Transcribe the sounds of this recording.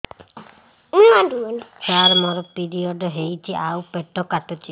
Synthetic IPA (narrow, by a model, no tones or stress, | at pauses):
unanduɔnit͡ʃaɾmɔɾɔpiɾiɔɖɔɦejt͡ʃʰiʔawpeʈɔkatɔt͡ʃʰi